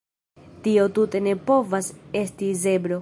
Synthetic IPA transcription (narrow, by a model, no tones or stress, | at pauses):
tio̞tute̞ne̞po̞vase̞stize̞bɾo̞